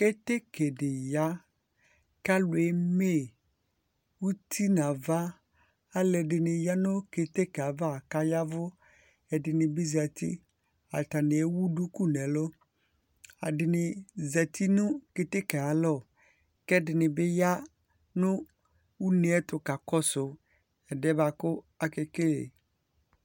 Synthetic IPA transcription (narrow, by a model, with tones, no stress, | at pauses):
ke˦t̪e˦ke˨dɪ˨ja˦ | ka˦lʊ˨e˨˦me˦˨ | wu˦t̪ʰi˦na˨va˦ | a˦lɛ˨dɪ˨nɪ˨ja˦nʊ̃˦ke˨t̪e˦kɛ˨a˨va˦˨ka˦ja˦vʊ˦ | ɛ˨dɪ˨nɪ˨bɪ˦zɛ˨t̪ḭ˦ | a̰˨t̪a˨nɪ̃˨ɛ˦wu˦du˦ku˦nɛ̃˨lɔ˦ | a̰˨dɪ˨nɪ˨zɛ˨t̪ʰi˦nʊ̃˦ke˨t̪e˦ka˨a˨lɔ˦˨ | kɛ˦dɪ˨nɪ˨bɪ˦ja˦ | nʊ̃˦ | wu˦ne˨ɛ˦t̪ʊ˨ka˨kɔ˦sʊ˨ | ɛ˨dɛ˦ba˨kʊ˦ | a˦kɛ˦ke˦˨